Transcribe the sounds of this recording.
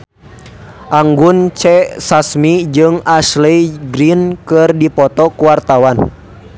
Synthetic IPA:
ʔaŋɡunt͡ʃɛsasmid͡ʒɨŋasliɡɾinkɨrdipɔt̪ɔkuwart̪awan

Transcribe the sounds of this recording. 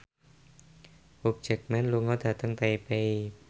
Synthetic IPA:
wuk̚d͡ʒɛk̚mɛnluŋɔd̪̥ä̤t̪əŋt̪eipei

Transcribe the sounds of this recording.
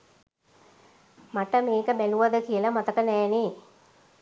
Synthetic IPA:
maʈəmeːkəbæluʋad̪əkijəlamat̪əkənɛːne

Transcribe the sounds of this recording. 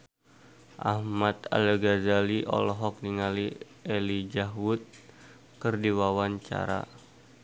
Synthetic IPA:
ʔahmat̪a̰lɡazaliʔɔ̰lɔɦɔk̚niŋali | elid͡ʒaɦwut̪̚ | kərdiwawaɲt͡ʃa̰ɾa̰

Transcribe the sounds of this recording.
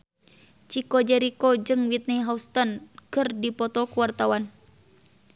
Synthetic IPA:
t͡ʃikɔd͡ʒɛɾikɔd͡ʒɨŋwit̪̚niɦaust̪ənkɨrdipɔt̪ɔkuwart̪awan

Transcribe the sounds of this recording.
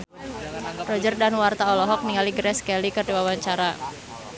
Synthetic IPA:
rɔd͡ʒərdanwart̪aɔlɔɦɔk̚niŋaliɡɾɛskɛlikərdiwawaɲt͡ʃaɾa

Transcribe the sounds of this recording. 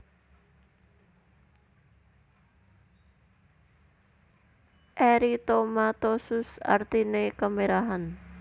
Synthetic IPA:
ʔɛɾit̪omat̪osʊsa̰rt̪inekəmeɾaɦan

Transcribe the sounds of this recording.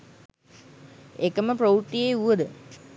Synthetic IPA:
ekəməpɾouʈ̪ːijeuʋəd̪ə

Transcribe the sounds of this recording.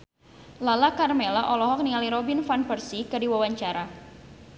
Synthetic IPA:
lalakarmelaʔɔlɔɦɔk̚nialiɾɔbinfanpərsikərdiwawaɲt͡ʃaɾa

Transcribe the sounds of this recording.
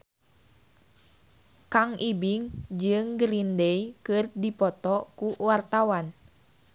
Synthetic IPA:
kaŋʔibiŋd͡ʒɨŋɡəɾindɛikɨrdipɔt̪ɔkuwart̪awan

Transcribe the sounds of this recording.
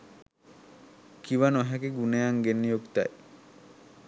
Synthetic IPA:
kiʋanoɦækeɡunejaŋɡenːijokt̪a̰j

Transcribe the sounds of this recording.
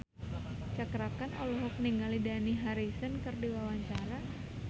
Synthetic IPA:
t͡ʃakɾakanʔɔlɔɦɔk̚niŋalidaniɦaɾisənkɨrdiwawaɲt͡ʃaɾa

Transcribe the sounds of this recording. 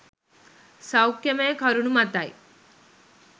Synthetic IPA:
sɐwkjɐmeːkʰɐɾunumɐt̪aj

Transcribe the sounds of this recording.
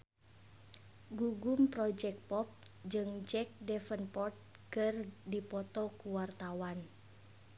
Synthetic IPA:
ɡuɡumpɾɔd͡ʒɛk̚pɔp̚d͡ʒɨŋd͡ʒɛk̚dɛfənpɔrt̪̚kɨrdipɔt̪ɔkuwart̪awan

